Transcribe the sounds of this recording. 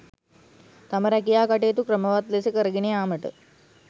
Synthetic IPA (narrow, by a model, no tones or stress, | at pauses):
t̪ɐməɾɛkijaːkaʈeːt̪ukɾəmɐʋat̪lesekəɾəɡinijaːməʈə̰